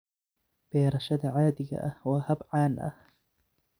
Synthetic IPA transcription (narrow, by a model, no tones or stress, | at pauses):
b̥eːɾˤɑʃad̪aʕaːd̪ɪɡa̰ʔwahabʕaːnʔa̰h